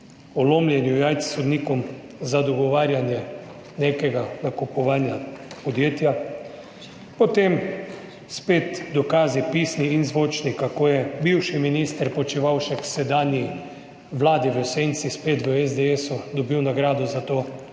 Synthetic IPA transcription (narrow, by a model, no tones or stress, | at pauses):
ɔloːmljɛnjujajt̪ssɔd̪nikɔm | zad̪ɔɡɔʋaːɾjanjɛ | nekɛɡanakupɔʋaːnjapɔd̪jeːt̪ja | pɔt̪em | speːt̪d̪ɔkaːzipiːsniːnzʋoːt͡ʃnikakoːjɛbiwʃiminist̪əɾpɔt͡ʃiʋawʃɛkwsɛd̪aːnii | ʋlaːd̪iʋəsent̪sispeːt̪ʋəɛzd̪ɛɛsud̪ɔbiwnaɡɾaːd̪ɔzat̪oː